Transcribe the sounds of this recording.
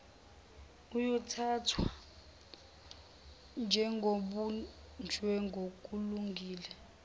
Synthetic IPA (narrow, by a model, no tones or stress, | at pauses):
ujɔtʰaːtʰwa | nd͡ʒʱɛŋɡʱoɓund͡ʒʱwɛŋɡʱok̬ʼuluŋɡʱiːlɛ